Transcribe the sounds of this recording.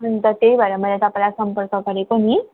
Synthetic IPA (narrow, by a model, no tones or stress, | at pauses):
ənt̪ət̪eibəɾəməat̪aplasəmpəɾkəkəɾekoɽ̃iː